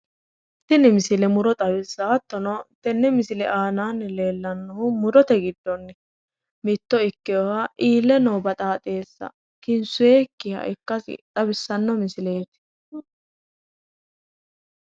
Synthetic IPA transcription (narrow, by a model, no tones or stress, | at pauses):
t̪ːɪnɪmɪsɪlɛmʊɾɔt̪ʼɐbɪsːaːt̪ːɔnɔt̪ɛnːɛmɪsɪlɛ̰ʔaːnaːnːɛle̞ːlːɐnːɔhʊmʊɾɔt̪ɛɡɪd̪ːɔnːɛ | mɪt̪ːɔɪkːɪjɔwaʔiːlːɛnɔwbɐt̪ʼaːt̪ʼe̞ːsːɐ̰ | kɪnsʊjeːkːɪhɐ̰ʔɪkːɐsɪ̰t̪ʼɐbɪsːɐnːɔmɪsɪleːt̪